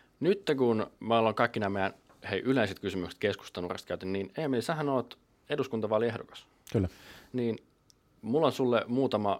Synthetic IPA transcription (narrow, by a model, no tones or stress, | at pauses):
nyt̪ːeŋkunmæoloŋkɑikːinæːmejæn | heiʔyleiset̪̚kysymykse̥t̪kesku̥st̪ɑnṵrḛst̪kæyt̪ænnineːæmːelsæhænoːt̪ | eduskunt̪ɑʋɑliehdokɑ̥s | kylːniːn | mulːonsulːemuːt̪ɑmɑ